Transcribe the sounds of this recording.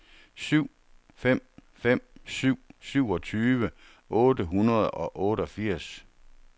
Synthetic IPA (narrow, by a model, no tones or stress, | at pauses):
syʊ̰ | fem̰ | fem̰syʊ̰syʊɒ̽t͡sʰyːʋə | ʔɔːdəɦunɐðˠɒ̽ʔɔːɾəɒ̽fiɐ̰s